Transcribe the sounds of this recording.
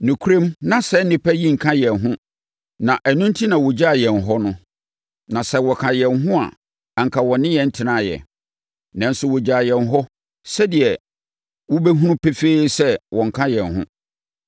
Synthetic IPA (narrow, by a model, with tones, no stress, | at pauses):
nʊ̃˨kʰu˦ɾe˦mnã˦sɛ˦nɪ̃˦pʰɛ˦ji˦ŋ̩˨kʰã˦jɛ˨nɦʊ̃˦ | nã˨ʔæ˨nʊ̃˦n̩˦tʰi˦nã˨wɔ˨d͡ʑa˦a˨jɛ˨n˨ɦɔ˦nʊ̃˦ | nã˨sɛ˦wɔ˨kʰã˨jɛ˨nɦʊ̃˦a̰˨ | a˨ŋ̩˨kʰa˨wɔ̃˨nɪ̃˦jɛ˨n̩˦tʰɪ˨nã˦˨jɛ̰˨ | nã˦n̩˦sʊ˦wɔ˨d͡ʑa˨jɛ˨nɦɔ˦ | sɛ˦dɪ˨ɛ˨ | wɔ˦be˦ɦũ˦nʊ̃˦pʰe˦feː˦sɛ˦wʔɔ̃˨ŋ̩˨kʰã˦jɛ̃˨nɦʊ̰̃˦